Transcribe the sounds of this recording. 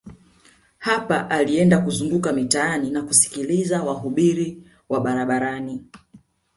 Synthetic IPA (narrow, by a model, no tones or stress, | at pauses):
hapaʔaliɛndakuzundukamitaaninakusi̥kilizawaɦuɓiɾi | waɓaɾaɓaɾani